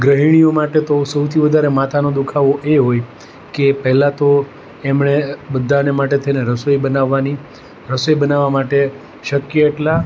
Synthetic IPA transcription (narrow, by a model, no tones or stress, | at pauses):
ɡɾəɦiɳ̃ijomaʈet̪osəwt̪ʰiʋəd̪ʱaɾemat̪ʰanod̪ukʰaʋoʔeɦoj | kepəɦɛlat̪o | emɳebəd̪ʱːanemaʈ̬et̪ʰəineɾəsojbənaʋːani | ɾəsojbənaʋamaʈe | ʃəkjəeʈla